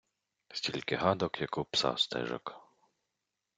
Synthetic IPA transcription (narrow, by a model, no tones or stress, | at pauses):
sʲtʲilʲkɪɦad̪ɔkjakɔpsa̰st̪ɛ̰ʒɔ̰k